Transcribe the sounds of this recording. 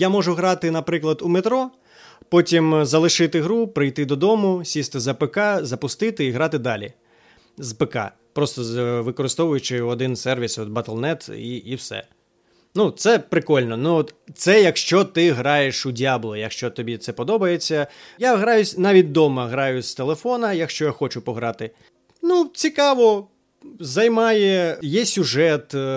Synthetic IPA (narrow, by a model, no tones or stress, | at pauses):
jamɔʐʊɦɾɑt̪ɪnɐpɾɪklˠɐd̪umet̪ɾɔ | pɔtʲimzɐlˠɪʃɪt̪ɪɦɾupɾɪjt̪ɪd̪ɔd̪ɔmʊsʲist̪ɪzɐpekɑzɐpʊst̪ɪt̪ɪiɦɾɑt̪ɪd̪ɑlʲḭ | zpekɑ̰ | pɾɔst̪ɔʋɪkɔɾɪst̪ɔʋʊjʊt͡ʃɪɔd̪ɪnsɛrʋʲisɔd̪̚bɐt̪elˠnɛt̪iʔiwsɛ̰ | nut̪sɛpɾɪkɔlʲnɔnuɔt̪t̪sɛjɐkʃt͡ʃɔt̪ɪɦɾɑjeʃʊdʲiɑblˠɔjɐkʃt͡ʃɔt̪ɔbʲit̪sɛpɔd̪ɔbɐjet͡sʲːɐjaɦɾɑjʊsʲnɑʋʲit̚ʲd̪ɔmɐɦɾɑjʊsʲt̪elˠefɔnɐjɐkʃt͡ʃɔjaxɔt͡ʃʊpɔɦɾɑt̪ɪ | nut͡sʲikɑʋɔ | zɐjmɑjɛjɛsʲʊʒɛt̪